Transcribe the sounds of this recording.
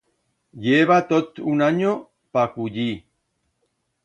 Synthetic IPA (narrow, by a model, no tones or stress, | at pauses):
jeβat̪ot̪unaɲo | pakuʎi